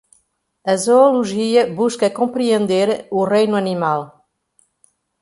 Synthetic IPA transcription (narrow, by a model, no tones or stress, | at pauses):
ɐzoːluʒiɐβuʃkɐkõmpɾiẽnd̪eɾurejnuɐnimalˠ